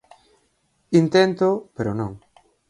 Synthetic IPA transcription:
int̪ent̪opeɾonõŋ

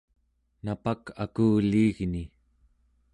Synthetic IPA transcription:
napakakuːliːɣni

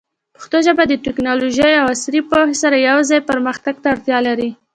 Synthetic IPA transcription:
pə̥xt̪oʒabad̪ətɪknɑloʒəjawasɾipohesaɾajawzɑjpəɾməxt̪aɡt̪aːɾt̪jɑlaɾi

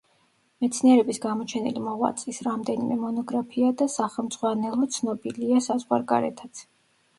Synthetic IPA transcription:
mɛt̪sʰniɛɾɛbisɡamɔt͡ʃʰɛnḭlimɔʁwa̰t̪sʼisɾamd̪ɛnimɛmɔnɔɡɾapʰiad̪asaχɛlˠmd̪z̥ʼʁwanɛlˠɔt̪sʰnɔbiliasazʁwa̰ɾɡa̰ɾɛ̰t̪ʰat̪sʰ

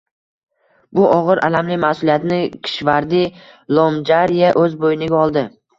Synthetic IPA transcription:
bʊʔɒʁɨɾʔalamlɪmahsʊlijat̪nɪkʲʰɪ̥ʃvaɾd̪ɪ | lˠomd͡ʒaɾijaʔɵzbojɪnɪɡʲaɒlˠd̪ɪ

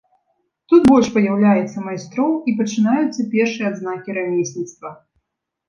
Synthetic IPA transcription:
t̪ut̪bɔlʲʂpɐjawlʲajɛt̪sːɐmajst̪ɾɔwipɐt͡ʂɨnajut̪sːɐpʲɛrʂɨjɛad̪znakʲiɾamʲisʲnʲit̪st̪vɐ

